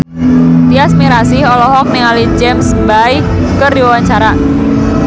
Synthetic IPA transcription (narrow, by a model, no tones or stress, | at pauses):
t̪iasmiɾasɪɦɔlɔɦɔk̚niŋalid͡ʒɛmsbai | kəriwwaɲt͡ʃaɾa